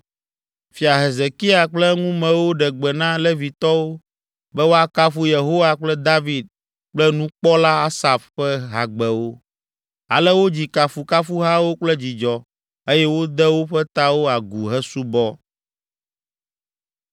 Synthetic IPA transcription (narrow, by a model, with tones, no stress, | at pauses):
fi˨a˨ɦe˨ze˨ki˦a˨k͡plɛ˦ŋũ˦mɛ̃˨wo˦ɖɛ˨ɡ͡bɛ˨nã˦lɛ˦vi˨t̪ɔ˦wo˦ | bɛ˦wo˦a˦ka˦fu˦je˨ɦo˦wa˨k͡plɛ˦d̪a˦vi˨d̪̚ | k͡plɛ˦nũ˦k͡pɔ˦la˦a˦sa˨fɸɛ˦ɦa˨ɡ͡bɛ˨wo˦ | a̰˨lɛ˦wo˦d͡ʑi˨ka˨fu˨ka˦fu˦ɦa˦wo˦k͡plɛ˦d͡ʑi˨d͡ʒɔ˨ | e˦jɛ˦wo˦d̪ɛ˦wo˦ɸɛ˦t̪a˦wo˦a˨ɡu˨ɦɛ˦su˦bɔ˦